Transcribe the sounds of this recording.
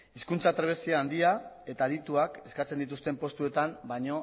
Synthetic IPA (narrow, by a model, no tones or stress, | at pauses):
iskunt͡sat̪ɾeβ̞e̞siaːnd̪iae̞t̪aðit̪uake̞skat͡send̪it̪̬ust̪e̞mpo̞st̪ue̞t̪ambajɲo̞